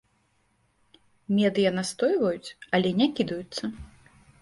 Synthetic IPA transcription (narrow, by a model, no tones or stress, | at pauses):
mʲɛd̪ɨjɐnast̪ɔjvɐjut͡sʲɐlʲɛnʲakʲid̪ɐjut̪sːɐ